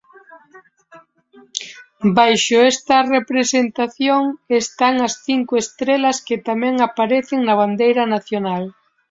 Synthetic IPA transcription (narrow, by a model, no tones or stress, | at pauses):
bajʃʊɛst̪ɐrepɾesent̪aθjoŋest̪aŋɐsθiŋkʊest̪ɾelɐskɪt̪amɛ̃ŋapaɾeθeŋnɐβ̞and̪ejɾɐnaθjonal